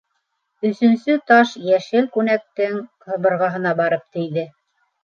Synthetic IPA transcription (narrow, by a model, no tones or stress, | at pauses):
ɵ̆sɵ̆nsɵt̪ɑʃjæʃɘlkʉnæk̚t̪ɘŋ | ɤ̆βɤ̆ɾʁɑɦɤ̆nɑbɑɾɤp̚t̪ijðɘ